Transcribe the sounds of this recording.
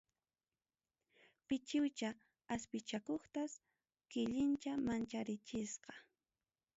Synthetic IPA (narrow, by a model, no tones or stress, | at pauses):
pɪt͡ʃɪwt͡ʃa | aspɪt͡ʃakoχt̪as | kɪʎɪnt͡ʃamant͡ʃaɾɪt͡ʃɪsqɑ̥